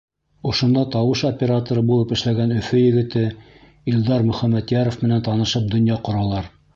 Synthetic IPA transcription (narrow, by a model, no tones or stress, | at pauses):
ŏʃŏnd̪ɑt̪ɑwɤʃopʲeɾat̪oɾɤbulˠɤpɘ̆ʃlæɡænɵ̆fɵjɘ̆ɡɘ̆t̪ɘ | ild̪ɑɾmɵ̆χæmːæt̪jɑɾŏfmɘ̆nænt̪ɑnɤ̆ʃɤp̚d̪ɵ̆njɑqŏɾɑlˠɑɾ